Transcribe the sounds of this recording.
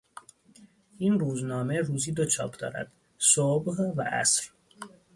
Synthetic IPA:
ʔiːnruːznɒːme̞ruːziːd̪ot͡ʃʰɒ̰ːpʰd̪ɒ̰ːɾæ̰d̪̥ | sobɢvæʔæ̰sɾ

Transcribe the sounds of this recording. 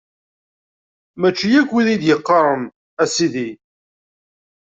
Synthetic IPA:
mæt͡ʃːijækːwiðid̪jəqːɑɾˤən | æsiði

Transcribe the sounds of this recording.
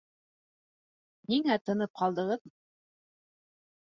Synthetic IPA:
niŋæt̪ɤ̆nɤp̚qɑlˠd̪ɤ̆ʁɤð

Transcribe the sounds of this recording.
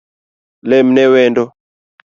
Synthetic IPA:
lɛm̩nɛwɛndɔ

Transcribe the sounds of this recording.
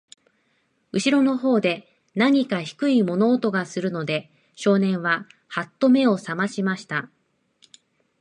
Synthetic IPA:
ɯ̟ɕiɾo̞no̞ɦo̞ːd̪e̞ | naɲ̟ikaçi̥kɯ̟imo̞no̞ːt̪o̞ɡasɨɾɯ̟no̞d̪e̞ | ɕo̞ːnẽ̞ɰ̃βahat̪ːo̞me̞o̞samaɕimaɕi̥t̪a

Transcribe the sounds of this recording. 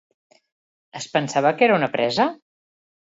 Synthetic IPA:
əspənsaβəkeɾəunəpɾɛzə

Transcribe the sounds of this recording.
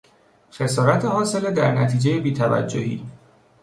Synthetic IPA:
xe̞sɒːɾæt̪ʰehɒːse̞led̪æɾnæt̪ʰiːd͡ʒejebiːt̪ʰævæ̰d͡ʒːohḭː

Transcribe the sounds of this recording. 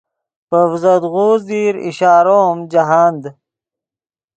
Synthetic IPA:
pəvzɐd̪ɣoːzd̪iːɾḭɕaːɾomd͡ʑaɦaːnd̪

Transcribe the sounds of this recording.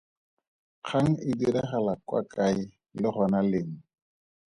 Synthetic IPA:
q͡χʰaŋ̩ɪdiɾɛχɛlakʼwa̰kʼaɪ | lɪχɔnalɪŋ̩

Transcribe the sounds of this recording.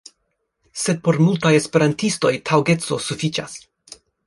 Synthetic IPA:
se̞d̚po̞ɾmultajespe̞ɾantisto̞jtʰawɡe̞t͡so̞sufit͡ʃa̰s

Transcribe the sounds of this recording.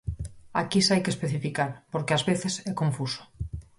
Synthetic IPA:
a̰kisajkespeθifikaɾpoɾkeazβeθesɛkõɱfuso̥

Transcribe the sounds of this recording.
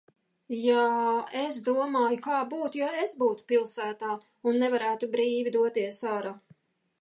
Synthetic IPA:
jaesd̪uɔmaːjukaːbuːt̪ujaesbuːt̪u̥pilˠsæːt̪aː | unːɛvaɾæːt̪ubɾiːvʲid̪uɔt̪iɛsaɾa

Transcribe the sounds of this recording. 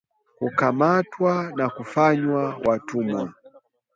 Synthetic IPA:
kukamatwanakufaɲwawatumwa

